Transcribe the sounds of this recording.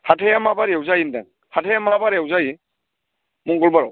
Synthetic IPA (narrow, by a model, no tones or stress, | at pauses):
hatʰajamabaɾijawzajindaŋ | hatʰejamabaɾjawzaji | mɔŋɡɔlbaɾɔ̰w